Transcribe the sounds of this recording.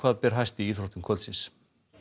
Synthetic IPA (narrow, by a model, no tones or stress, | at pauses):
vaːðpɛɾ̥ɦajst̪ɪiːθɾowt̪ɪmkʰœlt̪sɪns